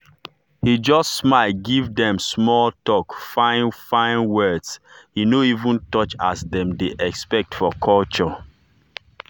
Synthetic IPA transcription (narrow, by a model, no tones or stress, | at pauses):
hid͡ʒɔstsmaɪlɡivdɛ̃msmɔltɔkfãɪ̃nfãɪ̃nwɜdshinoivũntɔt͡ʃa̰sdɛ̃mdeʔɛkspɛk̚tfɔkʰɔlt͡ʃɔ